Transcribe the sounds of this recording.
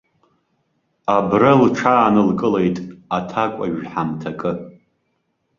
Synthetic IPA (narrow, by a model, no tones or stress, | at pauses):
abralʈ͡ʂʰaːnɨlkʼɨle̞jtʼatʰakʷʼa̰ʒħamtʰakʼɨ